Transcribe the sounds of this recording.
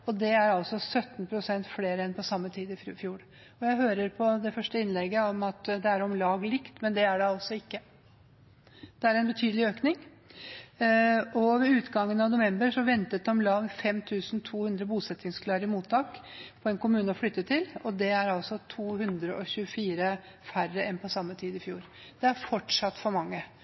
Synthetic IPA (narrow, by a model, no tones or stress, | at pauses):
ɔd̪ɛæɾɑlsɔsœt̪ːnpʰɾʊsɛnt̪fleːɾəɛnpʰɔsɑmːət̪ʰiːd̪əɪfjuːɾ | ɔjæɪɦøːɾəɾpʰɔd̪ɛfœʂʈəɪnlɛɡəɔmɑt̪d̪ɛæɾɔmlɑːɡlɪkt̪mɛnd̪ɛæɖɛɑɔlsɔɪkːə | d̪̥ɛæɾɛnbət̪ʰyːd̪əlɪøːknɪŋ | ɔʋɛʉːt̪ɡɑŋːənɑʋnʊʋɛmbəɾʂɔʋɛnt̪ət̪̚d̪ɛɔmlɑːɡfɛmt̪ʰʉːsnt̪ʰuːhʉnd̪ɾəbuːsɛt̪ːɪŋskʰlɑːɾɪmuːt̪ʰːɑːkpʰɔɛnkʊmʉːnəɔflʏt̪ːət̪ʰːɪlɔd̪ɛæɾɑlsɔt̪ʰuːhʉnd̪ɾəʔɔɕʉəfiːɾə | færəɛnpʰɔsɑmːət̪ʰiːd̪ɪfjuːɾ | d̪̥ɛæɾfɔʈʂɑt̪ːfɔɾmɑŋːə